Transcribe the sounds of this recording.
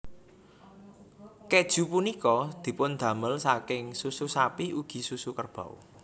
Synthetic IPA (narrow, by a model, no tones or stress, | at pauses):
ked̥ʒ̥ṳpunikɔd̪̥i̤pʊnd̪̥ä̤məlsakɪŋsususapiuɡ̥i̤susukərb̥a̤ṵ